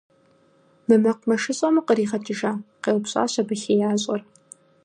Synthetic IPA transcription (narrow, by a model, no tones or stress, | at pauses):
mɨmɐqʷmɐʂɨɕʼɐmɨqəɾiːʁɐtʰʼɨʒaːqeːwpɕʼa̰ːɕɐbɨxeːjaːɕʼɐr